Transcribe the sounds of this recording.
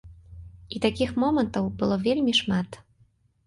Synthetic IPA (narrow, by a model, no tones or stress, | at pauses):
it̪akʲixmɔmɐnt̪ɐwbɨlˠɔvʲelʲmʲiʂmat̪